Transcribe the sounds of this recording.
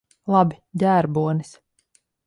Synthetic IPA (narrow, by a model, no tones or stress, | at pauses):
lˠɑbid̪ʲæːɾbuɔnis